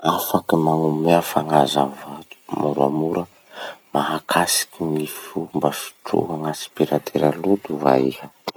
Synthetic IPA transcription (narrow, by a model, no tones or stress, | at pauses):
afakimaŋumeafaŋazavat̪u̥muɾuamuɾə | maɦakʰasi̥kinifumbafi̥ʈ͡ʂṵɦaŋasi̥piɾat̪ʰeɾalud̪uva̰ihə